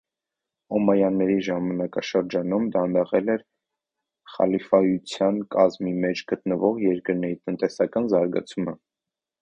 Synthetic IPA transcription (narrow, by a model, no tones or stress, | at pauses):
ɔmɑjɑnːɛɾiʒɑmɑnɑkɑʃəɾd͡ʒɑnumd̪ɑnəʁɛlɛɾ | χɑ̰lifɑjut͡sʰjɑnkɑzmimɛt͡ʃʰɡət̪nəvɔʁjɛɾkəɾnɛɾit̪ənt̪ɛsɑkɑnzɑɾɡɑ̰t͡sʰumə